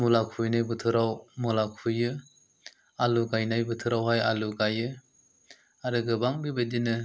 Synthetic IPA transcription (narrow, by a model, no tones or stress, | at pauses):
mulakʰujnajbɯtʰɯɾawmɔlakʰujɯ | aluɡajnajbɯtʰɯɾawɦajaluɡajɯ | aɾɯɡɯbaŋbibɯdinɯ